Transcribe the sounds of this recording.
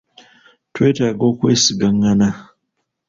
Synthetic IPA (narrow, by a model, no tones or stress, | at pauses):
twetaɡokwesiɡaŋana